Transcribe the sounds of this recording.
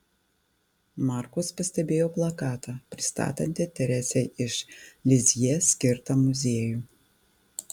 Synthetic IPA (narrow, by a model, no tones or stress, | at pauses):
mɑˑɾkuʊspɐsʲt̪ʲɛbʲeːjoːblˠɐkɑːt̪ɑːpʲɾʲɪ̥st̪ɑ̰ːt̪ʲɐnʲt̪ʲɪt̪ʲɛɾʲɛsʲɛɪɪʃlʲɪzʲjisʲkʲɪɾt̪ɑːmʊzʲeɛjuː